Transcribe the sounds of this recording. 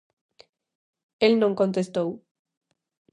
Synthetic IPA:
elnõŋkont̪est̪ow

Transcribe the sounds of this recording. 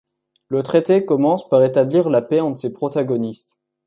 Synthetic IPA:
lət̪χet̪ekɔmɑ̃spaʁet̪abliʁlapɛɑ̃d̪əsepχɔt̪aɡɔnist̪

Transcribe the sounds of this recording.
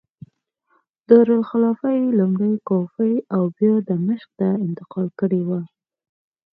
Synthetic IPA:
d̪̥əɾʊlxalɑfajlumɽajkofəjawbjɑd̪əməʃk̚t̪aɪnt̪ɪqɑlkəɽewa

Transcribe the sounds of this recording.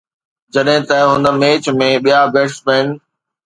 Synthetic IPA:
d͡ʑɐɗɦɪ̃t̪ɐɦʊ̃nmeːt͡ɕmẽɓijabeːʈspɛn̆

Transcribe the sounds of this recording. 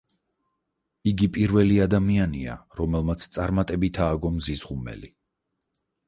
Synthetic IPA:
iɡipʼiɾvɛliad̪amiania̰ɾɔmɛlˠmat̪sʰt̪sʼaɾmat̪ʼɛbit̪ʰaːɡɔmzizʁumɛ̰li

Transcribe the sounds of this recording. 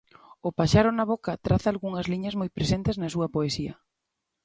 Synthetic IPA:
ʊpaʃaɾʊnɐβokɐt̪ɾaθɐːlɣuŋɐzliɲɐzmojpɾesent̪ɪznɐsuɐpoesiɐ̰

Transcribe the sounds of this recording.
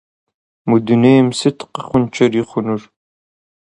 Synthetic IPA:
mudunejmsɨtʰqəχʷʊnt͡ʃʰɐriːχʷʊnʊr

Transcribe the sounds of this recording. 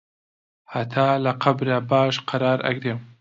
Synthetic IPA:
hat̪ʰaːlɐqʰɐbɾabaːʃqʰɐɾɑːɾʔɐ̰ɡɾeːm

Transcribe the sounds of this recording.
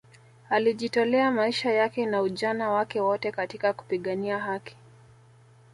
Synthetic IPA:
aliʄitɔlɛamaiʃajakɛnauʄanawakɛwɔtɛkatikaku̥piɠaniaɦaki̥

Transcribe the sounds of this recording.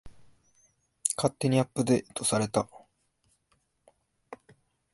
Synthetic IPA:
kʰat̪ːe̞ɲ̟iapːɯd̪e̞t̪o̞saɾe̞t̪a

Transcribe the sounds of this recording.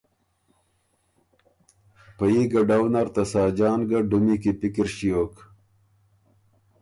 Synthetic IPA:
pajiɡaɖawnaɾt̪asaːd͡ʑɑːnɡaɖumikipikiɾɕijoːk

